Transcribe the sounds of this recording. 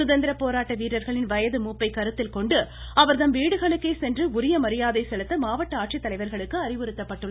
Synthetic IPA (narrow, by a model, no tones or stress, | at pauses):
ʊðɐnd̪ɪɾɐpːoːɾaːʈːɐʋiːɾɐɾɣɐɭɪnʋɐjɐðɯmuːpːɐɪkɐɾɯt̪ːɪlkɔɳɖɯ | ɐʋɐɾðɐmʋiːɽɯɣɐɭɯkːeːsɛndrɯʊɾɪjɐmɐɾɪjaːðɐɪsɛɭɯt̪ːɐmaːʋɐʈːɐaːʈ̚ʂɪt̪ːɐlɐɪʋɐɾɣɐɭɯkːɯɐɾɪʋɯɾɯt̪ːɐpːɐʈːɯɭːɐ